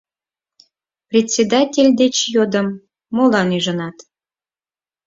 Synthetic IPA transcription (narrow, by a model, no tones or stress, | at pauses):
prʲetʲsʲed̪atʲelʲd̪et͡ɕjod̪əmː | olɑnyʒənɑt̪